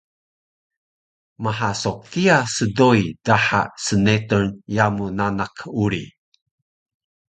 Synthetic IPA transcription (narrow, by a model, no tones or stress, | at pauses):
maɦasokiasədojdaħa̰sənetənjamunanakʰuɾi